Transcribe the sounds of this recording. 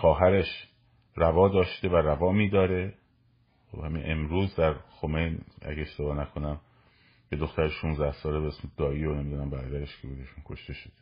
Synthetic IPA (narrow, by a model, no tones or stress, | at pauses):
xɒːɦæɾe̞ʃ | rævɒːd̪ɒːʃt̪e̞væɾævɒːmiːd̪ɒːɾe | xobhæmḭnʔemɾuːzd̪æɾxo̞me̞jnæ̰ɡeeʃt̪e̞bɒːnækʰo̞næm | be̞d̪o̞xt̪æɾeʃuːnzd̪æhsɒːlebeesmed̪̥ɒːiːonemid̪uːnæmbæɾɒːd̪æɾeʃkʰebudeʃunkʰo̞ʃt̪e̞ʃod̪̥e̥